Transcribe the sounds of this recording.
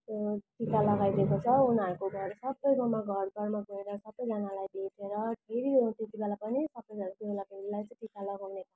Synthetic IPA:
ʈikalʌɡajd̪ekot͡sʰʌunɦʌɾukoɡʱʌrsʌbːʌjɡʌmaɡʱʌrɡʌrmaɡʱoeɾʌsʌbːʌjd͡zʌnalajbʱeʈʰeɾʌɖʱeɾit̪et̪ibelapʌnisʌbʌjd͡zʌnak̪obelabʱeɾilajt͡sʌ̃ʈikalʌɡawnepa

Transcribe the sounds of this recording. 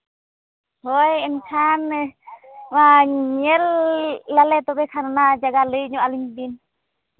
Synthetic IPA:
hojɛmtʰan | waɲɛlː | alɛt̪ɔbɛkʰaɾnad͡ʒaɡalɯjɲɔʔaliɲbin

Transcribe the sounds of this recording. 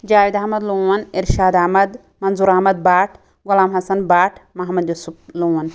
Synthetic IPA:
d͡ʒaːwid̪ɐɦmɐd̪luːwɐniɾʃaːd̪ɐɦmɐd̪ | mɐnzuːɾɐɦmɐd̪̚baːʈʰ | ɡulaːmɦɐsɐnbaːʈʰmɐɦɐmɐd̪jusup̚luːwɐn

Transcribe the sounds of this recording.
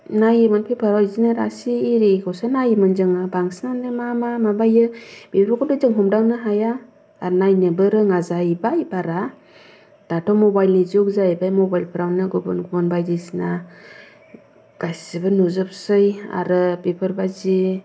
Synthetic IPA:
najɯmɯnpʰepʰɯɾɔzinaɾa̰siːɾikʰɔwsanajɯmɯnzɯŋabaŋsnandɯmamamabajɯb̥epʰɾɔkʰɔdɯzɯŋɦɔmdawnɯɦajaː | ɾnajnɯbɯɾɯŋazajbajbaɾa | d̥atʰɔmɔbajlizɔk̚zajbajmɔbajlpʰɯɾawnɯɡɔbɯ̰nɡubɯnbajdisna | ɡ̥ajsibɯnuzɯp̚sɯja̰ɾɯbepʰɯɾbazi

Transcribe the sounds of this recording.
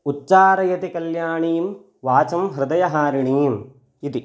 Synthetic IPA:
utːt͡ʃaːɾɐjɐt̪ikɐljaːɳiːm | ʋaːt͡ʃɐmɦɾɪd̪ɐjɐɦaːɾiɳiːm | it̪i

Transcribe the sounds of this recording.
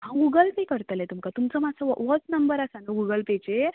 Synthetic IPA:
ɦãɡuɡəlpikəɾt̪əlet̪umkat̪umt͡səmat͡səʋɔt͡snəmbəɾasanuɡuɡəlpet͡ɕe

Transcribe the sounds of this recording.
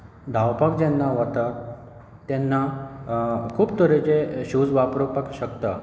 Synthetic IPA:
d̪ʱawpak̚d͡ʑɛnːaʋət̪a | t̪jɛnːa | kʰuːpt̪əɾet͡ɕeɕud͡zʋapɾopakɕəkt̪a

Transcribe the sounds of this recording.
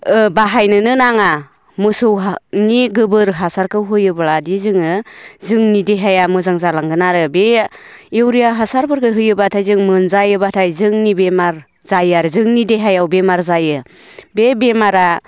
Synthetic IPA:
ɯbaɦajnɯnɯnaŋa | mɯsɯwɦaniɡɯbɯɾɦasaɾkʰɯwɦɯjɯbɯɭadizɯŋɯzɯŋnideɦajamɯzaŋzalaŋɡɯnaɾɯbe | ewɾijaɦasaɾbɯɾɡɯɦɯjɯbatʰajzɯŋmɯnzajɯbatʰajzɯŋnibemaɾ | z̥ajaɾzɯŋnideɦajawbemaɾzajɯ | bebemaɾa

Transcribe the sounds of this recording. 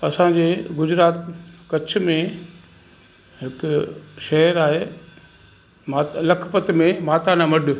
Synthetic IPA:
ɐsãd͡ʑeːɡʊd͡ʑɾaːt̪kɐt͡ɕʰʊ̆mẽ | ɦɪkʃɛɦəɾaːɦeː | maːt̪lɐkʰpət̪mẽmaːt̪anãmɐɖʊ̆

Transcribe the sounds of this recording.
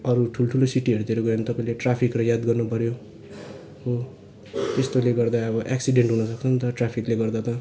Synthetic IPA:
ʌɾuʈʰuloʈʰulosiʈiɦʌɾut̪iɾoɡʌɾjnt̪ʌpaĩleʈrapʰikrʌjad̪ɡʌrnupʌɾjo | ɦo | t̪est̪oleɡʌrd̪aʌβʌʔeksiɖeɳʈɦunʌsʌk̚t͡sʰʌnt̪ʌʈrapʰikleɡʌrd̪at̪ʌ

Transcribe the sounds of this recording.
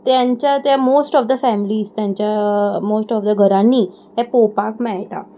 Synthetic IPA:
t̪jãɲt͡ɕjat̪jamosʈɔfd̪əfɛmiliːst̪jãɲt͡ɕjamosʈɔfd̪əɡʱəɾãnːiː | ɦɛpopakmɛjʈ̪a̰

